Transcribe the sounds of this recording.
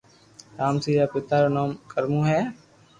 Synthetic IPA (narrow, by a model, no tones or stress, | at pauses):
ɾaːmsiːaːpɪt̪ːaːɾoːnoːmkəɾmũːɦɛː